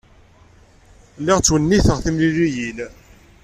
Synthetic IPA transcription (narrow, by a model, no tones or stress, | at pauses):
lːɪʁt͡sːwənːiθəʁθimliɾijil